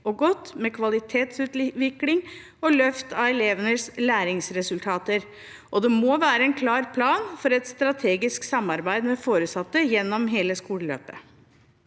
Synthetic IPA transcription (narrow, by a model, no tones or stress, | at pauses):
ɔɡɔt̪ːmɛkʰʋɑlɪt̪ʰeːt̪sʉːt̪ʋɪklɪŋ | ɔlœft̪ɑʋɛleːʋənəslæːɾɪŋsɾɛsʉlt̪ʰɑːt̪əɾ | ʔɔd̪ɛmoʋæːɾəɛnkʰlɑːɾpʰlɑːnfɔɾɛt̪st̪ɾɑt̪ʰeːɡɪsksɑmɑɾbæɪd̪mɛfoːɾəsɑt̪ːəjɛnːɔmɦeːləskuːləlø̰ːpə